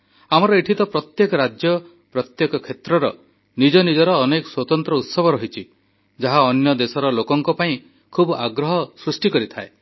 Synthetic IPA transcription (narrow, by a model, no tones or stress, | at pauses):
amɔɾɔeʈʰit̪ɔpɾɔt̪jekɔɾad͡ʒjɔ | pɾɔt̪jekɔkʰet̪ɾɔɾɔ | nid͡ʒɔnid͡ʒɔɾɔːnekɔswɔt̪ɔnt̪ɾɔut̪sɔbʱɔɾɔɦit͡ʃʰi | d͡ʒaɦaɔnjɔd̪esɔɾɔlokɔŋkɔpaĩ | kʰubaɡɾɔɦɔsɾusʈikɔɾit̪ʰae